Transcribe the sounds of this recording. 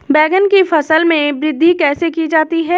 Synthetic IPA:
bɛːɡənkifɐsəlmẽbɾɪd̪ʱːikɛːsekid͡ʒaːt̪iɦɛː

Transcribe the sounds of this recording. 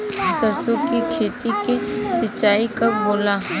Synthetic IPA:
səɾsokikʰeːt̪ikesɪt͡ʃːaːikaboːla

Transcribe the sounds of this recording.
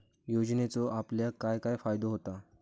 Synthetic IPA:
jod͡ʑnet͡sɔʔapljakajkajfajd̪oɦot̪a

